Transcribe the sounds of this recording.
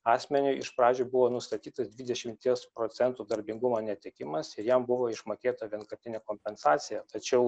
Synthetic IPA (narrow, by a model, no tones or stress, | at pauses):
ɑːsʲmʲɛnʲʊɪʃpɾɑːd͡ʒʲʊːbʊʋoːnʊst̪ɐt̪ʲiːt̪ɐsd̪ʲʋʲɪːd̪ʲɛʃʲɪmʲt̪ʲiɛspɾoːt̪sʲɛnt̪uːd̪ɐɾʲbʲɪŋɡʊmoːnʲɛt̪ʲɛkʲɪmɐsɪɾjɛmbʊʋoːɪʃmoːkʲeːt̪ɐʋʲiɛnkɐɾʲt̪ʲɪnʲeːkoːmʲpʲɛnsɑːt̪sʲɪjɛt̪ɐt͡ʃʲɛʊ